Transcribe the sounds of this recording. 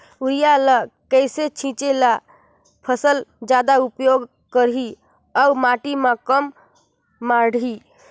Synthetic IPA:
uɾijaləkəjset͡ʃʰĩt͡ʃela | pʰəsəld͡ʒad̪aupjoɡ | kəɾɦi | aumaʈimãkəmː | aɽʱi

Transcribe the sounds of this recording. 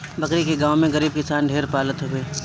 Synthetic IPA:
bɐkɾikeɡãːwmẽɡɐɾiːb̚kɪsaːnɖʱeːɾpaːlət̪ɦʊeː

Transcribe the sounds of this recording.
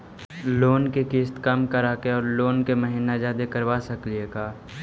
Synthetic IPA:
loːnkekiːst̪kɐmkəɾaːkeɔːɾloːnkeməɦiːnad͡ʒaːd̪ekəɾʋaːsɐklieɡaː

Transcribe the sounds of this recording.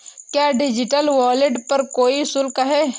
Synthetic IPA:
kjaːɖɪd͡ʒɪʈəlwaːlɪʈpɐɾkoːisʊlkɦɛː

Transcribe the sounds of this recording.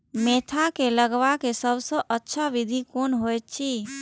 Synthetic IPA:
met̪ʰakeləɡʋakesəbsə̃ʔətːʃʰaʋid̪ʱikonɦojt̪t͡ʃʰi

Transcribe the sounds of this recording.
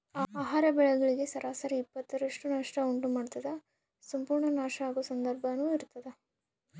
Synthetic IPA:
aːaːɦaːɾɐbɛɭɐɡɐɭiɡe̞sɐɾʔaːsaːɾiipːɐt̪ːɐɾɐʂʈunaːʂʈɐuɳʈumaːɖt̪ɐd̪ɐ | sɐmpuːɾɳɐnaːʂɐaːɡusɐnd̪ɐɾbʱɐnuːiɾt̪ɐd̪e

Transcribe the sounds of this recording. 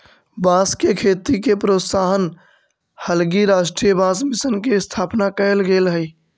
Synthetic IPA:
bãskekʰeːt̪ikepɾot̪saɦən | həlɡiɾaʃʈɾijəbãsmisənkest̪ʰaːpnakəlɡelɦəj

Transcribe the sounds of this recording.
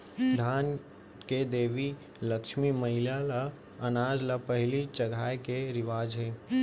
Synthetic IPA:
d̪ʱaːn | ked̪eːʋi | ləkʃmiməɦɪljala | ənaːd͡ʒləpəɦɪlit͡ʃəɡʱaːekeɾɪʋaːd͡ʒɦeː

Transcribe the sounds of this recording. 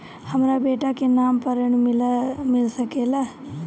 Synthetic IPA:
həmɾabeːʈakenaːmpəɾəɳmɪlmɪlsəkela

